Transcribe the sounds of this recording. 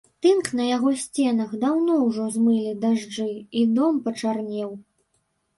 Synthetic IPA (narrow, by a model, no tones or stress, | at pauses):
t̪ɨnknɐjaɣɔsʲt͡sʲɛnɐxd̪awnɔwʐɔzmɨlʲid̪aʐd͡ʐɨid̪ɔmpɐt͡ʂarnʲɛw